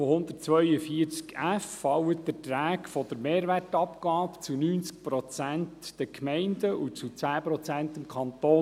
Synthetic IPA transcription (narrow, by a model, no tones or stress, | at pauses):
hʊnd̪ətt͡sʋœʏəfiəɾt͡skæfːɑwətd̥̪ətɾæːkfɔd̥̪əɾmeːɾʋærtɑpkɑːpt͡sunyːnt͡sk̚pɾɔt͡sæntd̥ɛkʰmɛɪndəʔut͡sut͡sæːpɾɔt͡sænt̪əmkʰɑnt̪oː